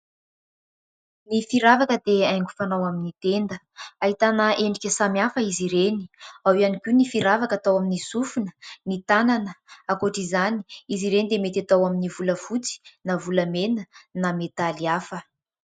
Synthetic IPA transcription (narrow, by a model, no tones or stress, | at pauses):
nifiɾavakəd̪eajŋɡufanawaminit̪end̪ə | aɦit̪anəʔeɳɖ͡ʐikʲəsamjafəiziɾeni̥awianikʲunifiɾavakat̪awaminisufunənit̪ananəakoʈ͡ʂizani̥iziɾenid̪emet̪at̪awaminivuləfut͡si̥navuləmenənamet̪aliafə